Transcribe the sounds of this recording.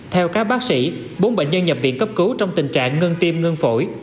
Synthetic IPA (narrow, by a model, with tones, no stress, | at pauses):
t̪ʰɛ˧wkaː˦˥k̚ɓaː˦˥k̚sḭ˧˥ | ɓo˨˦nɓḛ˧˨ɲə˧nɲə˨˩p̚vḭ˧˨ənkə˦˥p̚kɨ˨˦wt͡ɕɔ˧wŋ͡mt̪ï˨˩ŋ̟t͡ɕa̰ː˧˨ŋːə˧ŋt̪i˧əmŋə˧ŋfo˧˩j